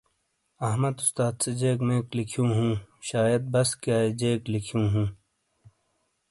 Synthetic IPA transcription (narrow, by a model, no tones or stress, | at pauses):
ɐɦmɐd̪ʊst̪aːd̪sed͡ʑeːkmẽːklikʰjũːɦũːɕaːjɐd̪̚bɐskaːed͡ʑeːklikʰijũːɦũː